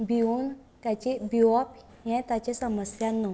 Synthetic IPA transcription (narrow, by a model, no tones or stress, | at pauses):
biun | t̪at͡ɕibiwɔp | jɛ̃t̪at͡ɕesəməsjanːɔ